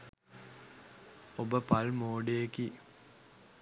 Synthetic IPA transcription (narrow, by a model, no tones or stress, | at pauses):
obəpalmoːɖejeki